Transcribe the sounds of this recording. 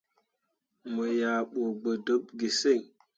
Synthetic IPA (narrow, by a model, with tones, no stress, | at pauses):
mə˨ja˨ɓo˨ɡ͡bə˨də˦p̚ɡi˨se˦˨ŋ